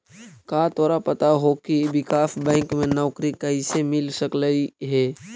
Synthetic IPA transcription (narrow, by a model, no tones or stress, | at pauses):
kaːt̪ɔːɾapɐt̪aɦokibɪkaːfbɛ̃ːŋkmẽnɔːkɾikɐɦisemɪlsəkləiɦɛː